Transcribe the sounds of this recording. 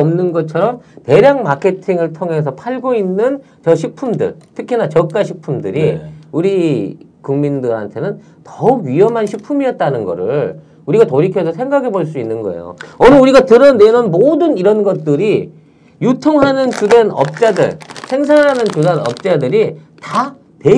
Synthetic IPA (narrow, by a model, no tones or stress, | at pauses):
ʌmnɯnɡʌt͡ɕʰʌɾʌmte̞ɾjaŋmakʰe̞tʰiŋɯɭtʰoŋɦe̞s̬ʰʌpʰaɭɡoinːɯn | t͡ɕʌɕʰik̚pʰumdɯ̰ɭtʰɯkʰinat͡ɕʌk̚k͈aɕʰik̚pʰumdɯɾiuɾi | kuŋmindɯɾa̰ntʰe̞nɯn | tʌɥiʌmɦanɕʰik̚pʰumiʌt̚t͈anɯnɡʌ̰ɾɯɭ | uɾiɡatoɾikʰjʌsʰʌsʰe̞ŋɡaɡe̞boɭs͈uinːɯnɡʌ̰e̞̰jo̰ʌnɯuɾiɡatɯɾʌnnenʌnmodɯniɾʌnɡʌt̚t͈ɯɾi | jutʰoŋɦanɯnt͡ɕudenʌ̰p̚t͡ɕ͈adɯ̰ɭsʰe̞ŋs̬ʰaŋɦanɯnt͡ɕudanʌ̰p̚t͡ɕ͈adɯɾi | ta | te